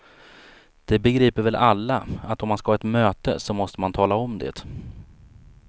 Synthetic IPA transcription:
d̪̥ɛbɛɡɾiːpəɾvɛlʔalːaat̪ːɔmːanskahaːɛt̪møːt̪ə̰sɔmɔst̪əmant̪ʰɑːlaɔmd̪ḛːt̪

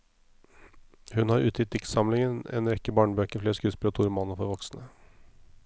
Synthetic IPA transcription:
hʉnhɑɾʔʉːt̪ʰɪt̪ʰɪksɑmlɪŋənḛːnɾɛkːəbɑːɳbøːkəfleːskʉːsbɾəːt̪ʰʊːɾmɑnːɔfɔɾʋɔksnə

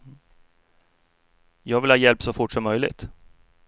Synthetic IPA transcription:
jɑːɡvɪlhɑːjɛlpsɔfʊʈʂɔmːœjlɪ̰ɡt̪

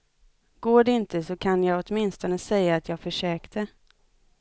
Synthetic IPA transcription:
ɡ̥oːɖɛɪnt̪əsɔkʰanjɑːɡɔt̪mɪnst̪ɔnəsɛjːaːt̪ʰjɑːɡfœʂøːkt̪ə

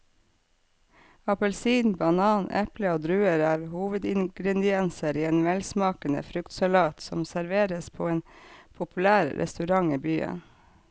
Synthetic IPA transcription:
ɑpəlsiːnbɑnɑːnʔɛpləoːd̪ɾʉːəɾæːɾhuːʋəd̪ɪŋɡɾɛd̪ɪɛnsəɾiːeːnʋɛlsmɑːkənə̰fɾʉkt̪sɑlɑːt̪sɔ̰msæɾʋeːɾəspʰo̰ːeːnpʰʊpʉlæːɾɾʔɛ̰st̪ʉɾɑŋiːbyːə̰n

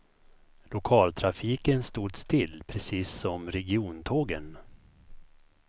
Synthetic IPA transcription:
lʊkʰɑːlt̪ʰɾafiːkənst̪uːd̪st̪ʰɪlːpʰɾɛsiːsːɔmɾɛɡɪuːnt̪ʰoːɡə̰n

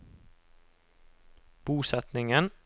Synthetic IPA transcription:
b̥uːsɛt̪nɪŋən

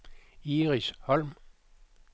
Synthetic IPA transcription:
iːʁishɒ̽lm

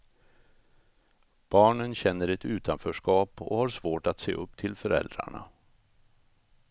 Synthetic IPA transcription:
b̥ɑːɳənɕɛnːəɾɛt̪ʉ̟ːt̪ʰanfœːʂkɑːpɔ̰haɾʂvoːʈat̪seːʔɵpːt̪ʰɪlfœɾɛ̰ld̪ɾa̰ɳa̰

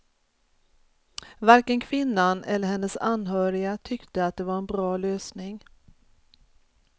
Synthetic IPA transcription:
vaɾkənkʰvɪnːanɛ̰lːəɾhɛnːəsanːɦœːɾɪat̪ʰʏkt̪əat̪̚d̪ɛvaɾɛnbɾɑːløːsnɪŋ

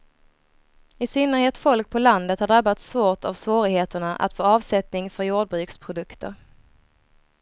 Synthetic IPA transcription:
ɪsʏnːəɾheːt̪fɔlk̚pʰɔland̪ət̪haɖɾabːat̪svoːʈʰavsvoːɾɪɡheːt̪əɳaʔa̰t̪foːɑːvsɛt̪nɪŋfœɾjuːɖ̚bɾʉ̟ːkspʰɾʊd̪ɵkt̪ʰə̰ɾ

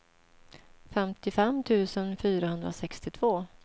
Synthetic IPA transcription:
fɛmt̪ɪfɛmːt̪ʰʉ̟ːsənfyːɾahɵnd̪ɾasɛkst̪ɪt̪ʰv̥oː

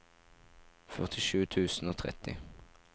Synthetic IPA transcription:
fœʁt̪ʰɪʃʉːt̪ʰʉːsn̩oːt̪ʰʁɛ̰t̪ɪ̰

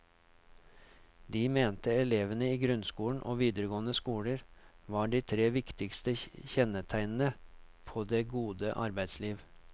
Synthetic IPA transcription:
d̪iːmeːnt̪əɛleːʋənəiːɡɾʉnskuːlɳ̩ʔo̰ːʋiːd̪əɾəɡoːnəskuːləɾʋɑːɖiːt̪ʰɾeːʋɪkt̪ɪkst̪əçɛnət̪ʰæɪnn̩əpʰoːd̪eːɡuːd̪əʔɑ̰ɾbæɪd̪sliːʋ

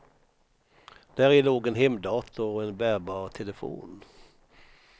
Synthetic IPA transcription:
d̪̥æːɾɛːloːɡɛnɦɛmd̪ɑːt̪ʰʊɔɛnbæːɾbɑːɾt̪ʰɛləfo̰ːn

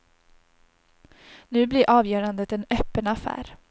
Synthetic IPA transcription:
nʉ̟ːblɪɾʔɑːvjœːɾand̪ət̪ɛnœːpːənafæ̰ːɾ

